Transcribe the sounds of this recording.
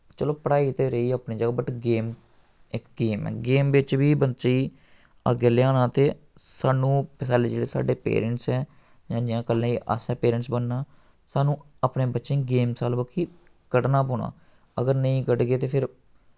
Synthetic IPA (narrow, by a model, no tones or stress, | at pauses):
t͡ʃəloːpəɽaːiːt̪eːɾəiːaːpnĩːd͡ʒəɡaːbəʈɡeːm | ɪkɡeːmɛ̰ːɡeːmʋɪt͡ʃʋiːbət͡ʃiː | ə̰ɡeːleːaːnãːt̪eː | saːnũːpɪsaːleːd͡ʒeːɽeːsa̰ːɖeːpḛːɾəɳʈsɛː | d͡ʒãːd͡ʒãːkəlːẽːiːʔə̰sɛːpeːɾə̃ɳʈsbənːãː | saːnũː | əpnẽːbətːʃẽːɡeːmsaːlbəkʰːiː | kəʈnaːpoːɳa̰ː | əɡəɾnəĩːkəɖɡeːt̪eːpʰɪɾ